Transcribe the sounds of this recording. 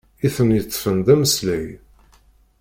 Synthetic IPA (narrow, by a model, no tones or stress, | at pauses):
iθənjət͡sːfənd̪æməslæj